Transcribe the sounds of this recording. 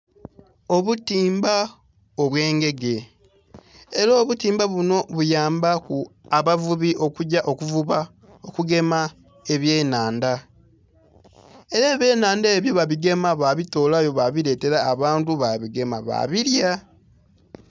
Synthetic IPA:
o̞βutiːmba | oβwe̞ːŋɡe̞ɡe̞ | eɾoːβutiːmbaβuno̞βujaːmbakuaβavuβiʔo̞kuɟaʔo̞kuvuβa | okuɡe̞ma | e̞βjeːnaːnda | e̞ɾaeːβe̞ːnaːndaeβjo̞βaβiɡe̞maβaβito̞ːlajo̞βaβiɾe̞ːte̞ɾaːβaːntuβaβiɡe̞maβa̰βiɾja

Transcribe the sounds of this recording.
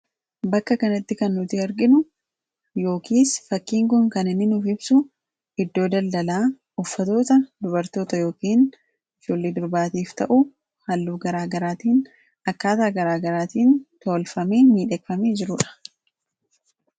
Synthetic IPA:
bɐkːɐkɐnɐt̪ːɪkɐnːʊt̪ɪɐɾɡɪnʊ | jo̞ːkʰiːsfɐkːiːŋkʊŋkɐnɪnːɪnʊfɪbsʊ | ɪd̪ːo̞ːd̪ɐld̪ɐlaː | ɔfːɐt̪o̞ːt̪ɐd̪ʊbɐɾt̪o̞ːt̪ɐjo̞ːkiːn | ɪd͡ʒoːlːeːd̪ʊɾbaːt̪iːft̪ɐ̰ʔʊ | hɐlːuːɡɐɾaːɡɐɾaːt̪iːn | ɐkːaːt̪aːɡɐɾaːɡɐɾaːt̪iːnt̪o̞ːlfɐmeːmiːᶑɛkfɐmeːd͡ʒɪɾʊᶑɐ̥

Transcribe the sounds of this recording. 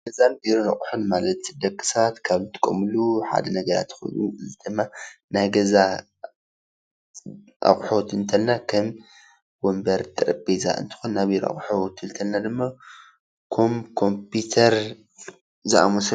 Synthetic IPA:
ɡɐzanbiɾonaχʼħunmalɐt̪d̪ɐkʼːɨ̥sat̪kʰaβt̪ʰɨ̥kʼːo̰mɨluħa̰d̪ɐnɐɡɐɾa̰t̪xṵnuɨzid̪ɨmːanajɡɐza | ʔa̰χʼħot̪ɨnt̪ʰɐlnakʰɐm | wombɐɾt̪ʼɨɾɐbʼeza̰ʔɨ̰nt̪ʰɨ̥xonːabiɾa̰χʼħot̪ʰɨnt̪ʰɐlnad̪ɨmːa | kʰomkʰo̞mpʰut̪ʰɐɾ | zɨʔamɐs

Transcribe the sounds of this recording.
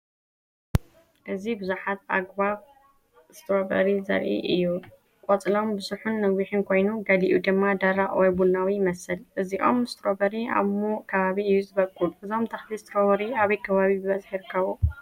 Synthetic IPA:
ʔɨzibɨzuħat̪̚ʔa̰ɡβaβ | ɨst̪ʰɾobɐ̰ɾizɐ̰ɾʔḭʔɨ̰jːu | kʼɔt͡sʼlo̞mbɨsuħunːɐwiħɨnkʰo̞jnuɡɐd̪iʔṵd̪ɨmːad̪aɾaʔwɐjbunawimɐsɨlʔɨziʔo̞̰mɨst̪ʰɾobɐɾia̰βmokʰɐβaβiɨjːuzɨβɐkʼːuʔɨzo̞mt̪ʰɐxlist̪ʰɾoβɐɾiaβɐjkʰɐβaβibɨβɐzħjiɾɨkʰːɐβo

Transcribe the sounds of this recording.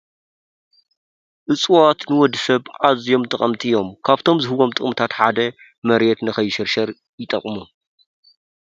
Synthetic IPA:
ʔɨt͡sʼwat̪nɨwɔd̪ːsɐβʕazjo̞mt̪ʰʼɐχʼɐmt̪ʰijo̞mkʰaβt̪ʰo̞mzɨhɨβo̞mt̪ʼɨχʼmt̪ʰat̪ħa̰d̪ɐ | mɐɾet̪nɨxɐjʃɐɾʃɐɾ | jɪt̪ʼɐ̰χʼmu

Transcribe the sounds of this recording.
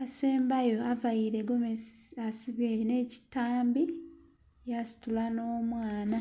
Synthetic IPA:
aseːmbajo̞avajiɾeɡomeasiβeneːci̥tːaːmbi | jasi̥tulano̞ːmwaːna

